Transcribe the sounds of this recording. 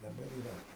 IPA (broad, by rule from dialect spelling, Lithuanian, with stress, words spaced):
dɐˈbɐr iːˈrɐ